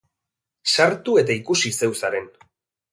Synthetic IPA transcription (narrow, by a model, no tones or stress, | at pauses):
saɾt̪ue̞t̪aikusise̞wsaɾe̞n